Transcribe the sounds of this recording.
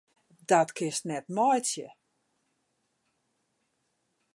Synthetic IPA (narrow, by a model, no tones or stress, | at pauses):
dɔtkʰɪstnɛtmɔjtjə̰